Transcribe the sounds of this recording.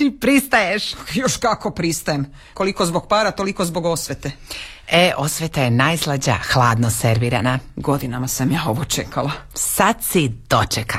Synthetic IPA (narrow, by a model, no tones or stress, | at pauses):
t̪ipɾist̪ajeʃjoʃkako̞pɾist̪ajem | ko̞liko̞zboɡpaːɾat̪o̞liko̞zbo̞ɡo̞sʋʲet̪e | eʔo̞sʋet̪aje̞naːjslˠad͡ʑa̰xlˠaːd̪noseɾʋiːɾa̰naɡo̞d̪inamasamjaːo̞ʋot͡ʃekʰalasad̪sid̪̥o̞t͡ʃeka